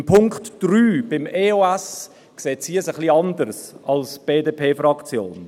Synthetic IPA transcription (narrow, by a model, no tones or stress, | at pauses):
mpʰʊŋktd̥ɾyːb̥ɪmeːoɛs | kseːtsiːəsəχliɑndəɾsɑlsb̥eːdeːpʰeːfɾɑkt͡sjo̰ːn